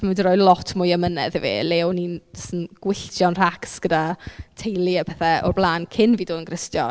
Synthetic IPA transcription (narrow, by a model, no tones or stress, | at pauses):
mandiɾɔːjlˠɔtʰmʊjəmənɛ̰ðɛvḛːlɛwninsənɡ̥wɪɬt͡ʃjɔnr̥aksɡ̥ədatʰejlˠiəpʰɛθɛʔɔ̰rblˠaːnkʰɪnviːdoːdənɡrɪstjɔ̰